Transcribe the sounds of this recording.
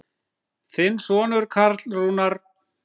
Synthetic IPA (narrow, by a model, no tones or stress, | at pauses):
θɪnsɔːnʏɾkʰaɾt̪lruːnaɾ̥